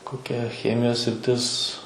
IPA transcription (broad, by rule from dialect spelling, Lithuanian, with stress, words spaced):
koːˈkʲɛ ˈxʲæːmʲɪjoːs sʲrʲɪˈtʲɪs